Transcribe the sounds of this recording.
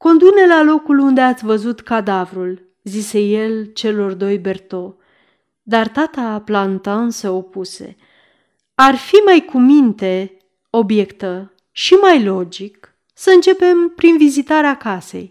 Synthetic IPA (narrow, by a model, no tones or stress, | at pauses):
ko̞nd̪ukne̞lalo̞kulund̪e̞at̪sʲvəzut̪kad̪avɾul | zise̞je̞lt͡ʃe̞lo̞rd̪o̞jbe̞rt̪o̞ | d̪art̪at̪aplant̪aɨnsəo̞puse̞̰ | arfimajkumint̪e̞ | o̞bje̞kt̪ə | ʃimajlo̞d͡ʒik | səɨnt͡ʃe̞pe̞mpɾinvizit̪aɾeakase̞̰j